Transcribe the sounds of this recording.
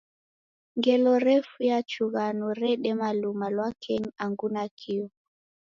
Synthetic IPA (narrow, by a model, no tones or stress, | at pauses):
ŋɡɛlɔɾɛfujat͡ʃuɣanɔɾɛɗɛmalumalwakʰɛɲaŋɡunakʰiɔ